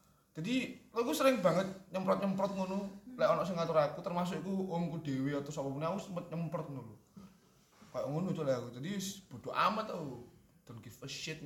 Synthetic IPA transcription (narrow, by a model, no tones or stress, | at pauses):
d͡ʒ̥adilokusəɾɪŋbaŋət̪̚ɲəmpɾɔt̪̚ɲəmpɾɔt̪̚ŋunulaɔnɔʔsɪŋat̪uɾakut̪ərmas̬ʊkikuomkudeweɔt̪ɔsapɔpunausəmpət̪̚ɲəmpɾɔt̪̚nulu | kajʔŋunut̪ulajakud͡ʒadisb̥o̤doʔa̰mət̪a | d̪̥ɔnɡɪfəʃɪt̪̚